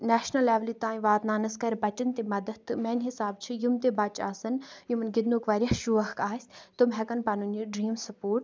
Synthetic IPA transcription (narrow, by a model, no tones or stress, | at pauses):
nɛːʃnɐlɛːʋlit̪ãːĩʋaːt̪naːnɐskɐɾʲbɐt͡ʃɐnt̪emɐd̪əd̪̚t̪ːɨmɛːnʲɦɪsaːb̚t͡ʃʰijumt̪ebɐt͡ʃa̰ːsɐnjumnɡɪd̪nukʋɐɾʲɐhʃuʋɐhkaːsʲt̪umɦɛkɐnpɐnunjuɖɾiːmsɐpoːɾʈ